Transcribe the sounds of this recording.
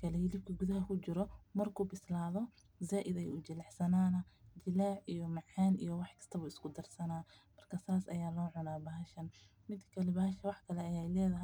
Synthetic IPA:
kʰɐlɛjɪlɪb̚kʰɐɡʊðɐɦɐkʰʊt͡ʃɪɾɔmɐrkʰuːbɪslaːðɔ | zaːʔɪðɛjʊt͡ʃɪlɑħsɐnaːnɐd͡ʒɪlaːʕʔijɔmɑʕaːnḭjɔwɑħkʰɐ̥st̪ʰɐβuːɪskʰʊd̪ɐrsɐnaː | mɐrkʰɐsaːsɐjaːlɔːʕʊnaːbɐɦɐʃɐn | mɪd̪kʰɐlɛbɐhɐʃɐwɑħkʰɐlɛɐjɛjlɛːðɐɦɛj

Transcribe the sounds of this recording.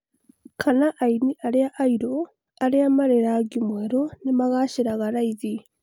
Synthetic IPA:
kʰanaʔːiniʔaliaʔːiɾo | aɾiamaɾeɾaɡimweɾonimaɣaʃiɾaɣaɾaiði

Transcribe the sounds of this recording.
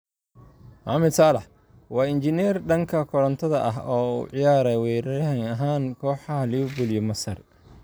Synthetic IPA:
ʔɑmɪd̪saːlɐħ | wɑːɪnt͡ʃɪnɛrɖɐŋkʰɐkʰɔɾɐnt̪ʰɐðɐʔɐ̰ɦɔːṵːʕɪjaːɾɛwɛːɾɐɾɐɦɛŋɐɦaːnkʰɔːħɑɦɐlɪʊbʊlɪjɔmɐsɐr

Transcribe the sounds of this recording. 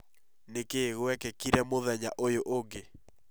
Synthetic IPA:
nekeɣwɛkɛkiɾɛmoðɛɲaʔojoʔoɡe

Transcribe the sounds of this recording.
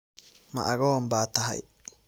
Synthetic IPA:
mɐ̰ʔɐ̰ɣɔmbaːt̪ʰɐɦɐ̰j

